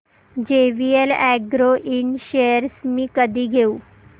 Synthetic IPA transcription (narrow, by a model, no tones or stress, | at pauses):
d͡ʑeʋielɛɡɾoʔiɳɕejəɾsmĩːkəd̪ʱiːɡʱeuː